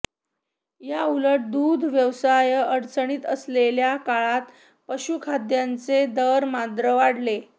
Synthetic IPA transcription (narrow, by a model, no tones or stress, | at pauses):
jauləʈ̚d̪ud̪ʱʋjəʋsajəəɾt͡səɳ̃iːt̪əsleljakaɭat̪ | pəɕukʰad̪jant͡sed̪əɾmad̪ɾəʋaɽle